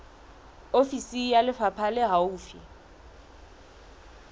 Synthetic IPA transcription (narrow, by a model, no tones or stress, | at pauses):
ofisijalɪfapʰalɪɦauːfi